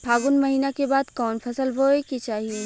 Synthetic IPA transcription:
bʰʱaːɡʊnmɐɦiːnakebaːd̪kɔːnfʰɐsəlboɦekit͡ʃaːɦie

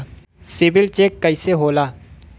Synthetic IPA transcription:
sɪbɪlt͡ʃeːkːɐɪseɦoːlaː

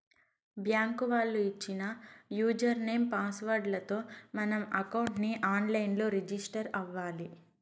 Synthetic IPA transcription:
bjaːŋkuʋaːɭːuit͡ʃːinɐjuːd͡ʒɐɾne̞ːmpaːsʋɐɾɖlɐt̪o̞ːmɐnɐmɐkɐwɳʈniʔaːnlɐjnlo̞ːɾid͡ʒisʈɐɾɐʋːaːli

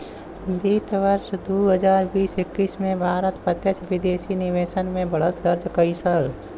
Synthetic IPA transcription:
biːt̪ʋəɾʃd̪uːɦəd͡ʒaːɾbiːsɪkːiːsmẽbʱaːɾət̪pət̪jət͡ʃʋɪd̪eːʃinɪʋeːʃənmẽbɐɽ̤ət̪̚d̪əɾd͡ʒkəɪsəl

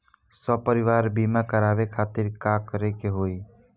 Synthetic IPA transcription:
sɔpəɾɪʋaːɾbimakəɾaːʋekʰaːt̪iɾkakəɾekeɦoːi

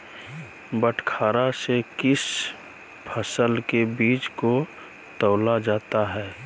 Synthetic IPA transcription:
bəʈʰkʰaːɾasekɪs | pʰəsəlkebiːt͡ʃko | t̪əːlad͡ʒaːt̪aɦɛː

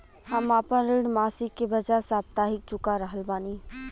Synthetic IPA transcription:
həmaːpənɾiɽmaːsɪkːebəd͡ʒasaːb̚t̪aːɦɪk̚t͡ʃʊkaɾəɦəlbaːniː

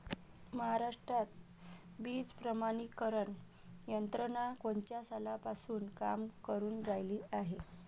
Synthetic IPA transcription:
məɦaɾaʂʈɾat̪ | biːd͡zpɾəmanikːəɾəɳ | jənt̪ɾəɳakoɳt͡ɕjasalapasuːnka̰mkəɾuːnɡajliːaɦe

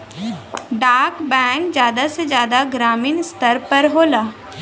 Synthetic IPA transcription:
ɖaːkbɛ̃ːŋkzjaːd̪ased͡ʒjaːd̪aɡɾaːmiːnst̪əɾpəɾɦoːlaː

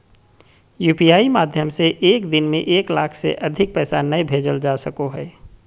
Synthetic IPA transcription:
juːpijaːimaːd̪ʱjəmseʔeːkd̪ɪnmẽʔeːklaːkʰsḛʔɐd̪ʱɪk̚pɛːsanɐbʱeːd͡ʒəld͡ʒaːsɐkoɦɛː

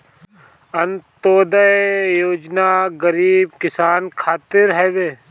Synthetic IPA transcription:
ɐnt̪oːd̪əjoːd͡ʒnaɡəɾiːbkɪsaːnkʰaːt̪ɪɾɦɛʋeː

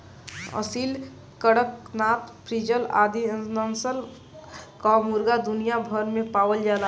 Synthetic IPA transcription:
ə̰sil | kəɽəknaːt̪pʰɾid͡ʒəla̰ːd̪iənənsəl | kamuɾɡad̪unijabʱəɾmẽpaːwəld͡ʒala

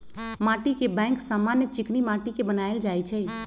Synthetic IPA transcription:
mãːʈikebɛ̃ːŋksaːmanjət͡ʃɪknimãːʈikebənaeld͡ʒaːjt͡ʃʰɛ

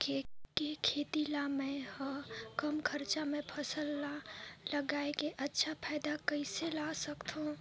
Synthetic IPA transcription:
kekekʰeːt̪ilaːmɛ̃həkəmkʰɐɾt͡ʃamẽpʰɐsəlːalɐɡaːekeʔɐtːʃʰapʰaːɪd̪akəɪselaːsəkt̪ɦõ

